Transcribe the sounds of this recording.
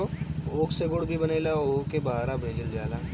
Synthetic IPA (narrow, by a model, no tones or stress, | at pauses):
ooːkseɡoɽbʱibɐneːlaoːkebaaːɾabʱẽːd͡ʒəljaːlaː